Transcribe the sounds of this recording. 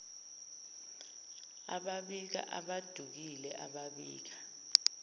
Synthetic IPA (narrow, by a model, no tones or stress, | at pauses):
a̰ɓaɓik̬a̰ʔaɓad̥ʱuk̬ilɛʔaɓaɓḭːk̬a